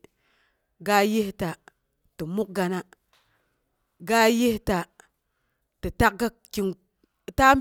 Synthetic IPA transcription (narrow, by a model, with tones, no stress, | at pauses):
ɡa˦je˦hta˨ | ti˨mu˦k̚ɡa˨na˦ | ɡa˦je˦hta˨ | ti˨ta˦k̚ɡa˦kki˨ŋ˨ | ta˦m